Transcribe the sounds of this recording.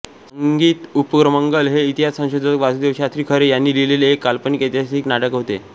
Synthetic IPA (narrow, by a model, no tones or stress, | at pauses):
səŋɡiːt̪upəkɾəməŋɡəlɦeit̪iɦassə̃w̃ɕod̪ʱəʋasuːd̪eʋɕat̪ɾiːkʰəɾejanːiːlileleːkːalpəniket̪jaiknaʈəkɦot̪ḛ